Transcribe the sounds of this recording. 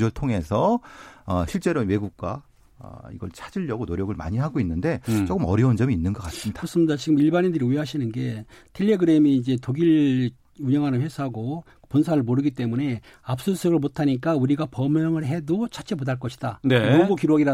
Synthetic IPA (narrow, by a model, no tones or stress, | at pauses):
ɭtʰoŋe̞sʰʌʌɕʰiɭt͡ɕ͈e̞ɾowe̞ɡuk̚k͈a̰ | ʌ̰ḭɡʌɭt͡ɕʰad͡ʑiʎːʌɡonoɾjʌɡɯɭma̰ɲiɦaɡoinːɯnde̞t͡ɕok͈ɯmʌ̰ɾjʌund͡ʑʌmiːnːɯnɡʌk͈as͈ɯmɲidas͈ɯmɲidat͡ɕiɡɯmiɭbanindɯɾiueɦaɕʰinɯnɡe̞tʰiʎːeɡɯɾe̞miːd͡ʑe̞toɡiɭ | uɲʌŋɦanɯnɸwesʰaɦaɡo | ponsʰaɾɯɭmoɾɯɡit͈e̞mune̞ | ap̚s͈osʰʌɡɯɭmotʰaɲik̬͈auɾiɡapʌmjʌŋɯɭɦe̞dot͡ɕʰat͡ɕ͈emodaɭk͈ʌɕʰi̥d̥anemoɡukiɾwoɡiɾa